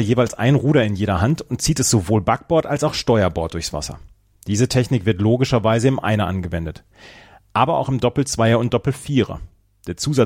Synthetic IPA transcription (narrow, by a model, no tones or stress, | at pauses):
ɐjeːvaɪlsʔa̰ɪnnʁuːɾɐɪnjeːɾɐɦantʊnt̚t͡siːtɛsz̥ovoːlbak̚b̥ɔɐtalsaʊxʃtɔʏɐbɔɐt̚d̥ʊɐçsv̥a̰sɐ̰ | d̥iːzətʰɛçnɪkv̥ɪɐtloːɡɪʃɐvaɪzəɪmʔa̰ɪnɐʔanɡəvɛndət | ʔaːbɐa̰ʊxɪmdɔpl̩t͡sv̥aɪɐʊnt̚d̥ɔpl̩fiːʁɐ̰ | d̥eːɐt͡suːza